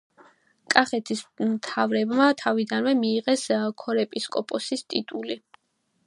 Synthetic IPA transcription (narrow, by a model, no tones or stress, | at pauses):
kʼaχɛt̪ʰismt̪ʰavɾɛbmat̪ʰavid̪anvɛmiːʁɛskʰɔɾɛpʼiskʼɔpʼɔsist̪ʼit̪ʼuli